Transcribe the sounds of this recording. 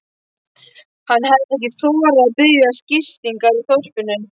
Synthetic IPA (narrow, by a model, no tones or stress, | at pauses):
hanːhɛðɪnɛhcɪθɔːɾaðpɪɾjascɪst̪iŋkaɾiθowr̥pʏnːʏn